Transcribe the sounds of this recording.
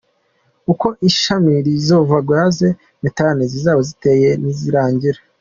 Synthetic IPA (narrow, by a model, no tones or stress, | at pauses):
uko̞ʔiʃamiɾizo̞ːvaɡwaːze̞ | mitaɾanizizaːβozite̞ːje̞niziɾaːɲɟiɾe